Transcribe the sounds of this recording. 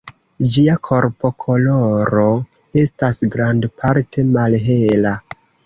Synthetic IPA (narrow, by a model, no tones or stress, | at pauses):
d͡ʒiakʰo̞ɾpo̞kʰo̞lo̞ɾo̞ | e̞stasɡɾandpaɾtʰe̞malɦe̞la